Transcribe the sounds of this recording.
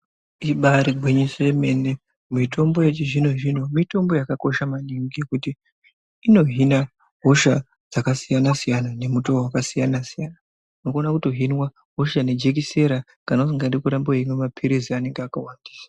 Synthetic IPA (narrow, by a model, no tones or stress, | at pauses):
iɓaɾiɡʱiɲise̞me̞ne | mitʰo̞mbo̞jet͡ʃiʐino̞ʒin̤omito̞mbo̞jakako̞ʃamaniŋɡikutiː | no̞ɦina | ɦo̞ʃa | d͡z̥akasijanasijanane̞mutowakasijanasijana | nokuonakutoɦinwa | ɦo̞ʃane̞d͡ʒe̞k̬ise̞ɾa | kanos̬iŋɡandikuɾamboimwemapʰiɾeziane̞ŋɡeakawandi̥ːsḁ